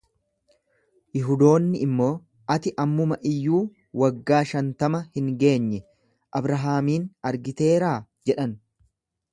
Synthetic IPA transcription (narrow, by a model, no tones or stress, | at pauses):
jɪɦʊd̪o̞ːnːɪɪmːo̞ː | ʔɐt̪ɪʔɐmːʊmɐʔɪjːuː | wɐɡːaːʃɐnt̪ɐmɐhɪŋɡe̞ːɲːɛ | ʔɐbɾɐɦaːmiːnɐɾɡɪt̪e̞ːɾaː | d͡ʒɛᶑɐn